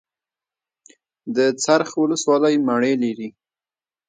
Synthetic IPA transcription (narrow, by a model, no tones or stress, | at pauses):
d̪ət͡saɾxwʊləswɑləjmaɳeliɾi